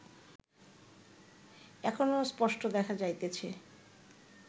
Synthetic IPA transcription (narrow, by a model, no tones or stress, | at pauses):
ɛkʰonospɔʃʈod̪ɛkʰad͡ʑajt̪et͡ɕʰe